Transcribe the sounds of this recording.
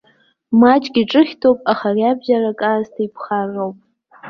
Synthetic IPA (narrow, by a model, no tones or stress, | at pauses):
mat͡ʃʼɡʲiʈ͡ʂʼɨχʲtʰopʼaχariabʒarakʼaztʰaipʰχarowpʼ